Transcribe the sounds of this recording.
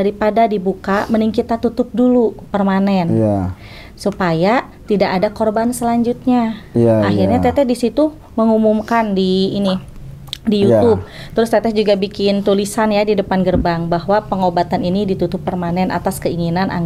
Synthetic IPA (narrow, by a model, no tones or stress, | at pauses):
daɾipadadibukaməniŋkit̪at̪ut̪ʊp̚dulupərmanɛn | supaja | t̪idaʔadakorbansəlaɲd͡ʒut̪̚ɲaaɦirɲat̪ɛt̪ɛdisit̪u | məŋumumkandiːni | dijut̪ub̚t̪əɾʊst̪ɛt̪ɛd͡ʒuɡabikɪnt̪ulisanjadidəpanɡərbaŋbaɦwapəŋobat̪aninidit̪ut̪ʊpːərmanɛnʔa̰t̪askəiŋinanʔa̰ŋ